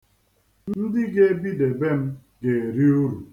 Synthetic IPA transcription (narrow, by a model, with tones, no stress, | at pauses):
n̩n̩˦dɪ˦ɡe˦bi˦de˨be˦m̩˦ | ɡe˨ɾi˦u˦ɾu˨